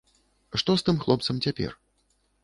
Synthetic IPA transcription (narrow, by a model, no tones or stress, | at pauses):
ʂt̪ɔst̪ɨmxlˠɔp̚t̪sɐmt͡sʲapʲɛ̰r